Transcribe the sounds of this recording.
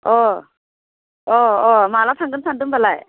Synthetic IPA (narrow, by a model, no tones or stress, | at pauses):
ɔ | ɔɔmalasʰaŋɡɯnsʰandɯmbalaj